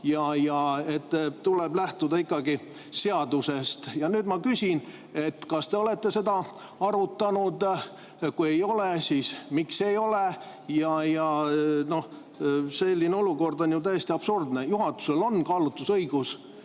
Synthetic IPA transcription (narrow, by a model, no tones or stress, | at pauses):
jɑjɑet̪ːt̪ːuleblæht̪ud̪ɑikˑːɑɡi | se̞ɑd̪use̞st̪jɑnyːd̪mɑkysʲin | e̞t̪ːkɑst̪e̞o̞le̞t̪ːe̞se̞d̪ɑ | ɑɾut̪ːˑɑnud̪ | kuejo̞lesiːsmikse̞jo̞le | jɑjɑno̞h | se̞lʲːineo̞luko̞rd̪o̞njut̪æjest̪iɑb̥surd̪nejuɦɑt̪ːu̥se̞lo̞nkɑːlut̪ːusɤiɡ̥us